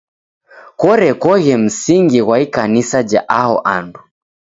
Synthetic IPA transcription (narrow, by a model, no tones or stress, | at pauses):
kɔɾɛkɔɣɛm̩siŋɡiɣwaikanisad͡ʒa̰ʔahɔ̰ʔandu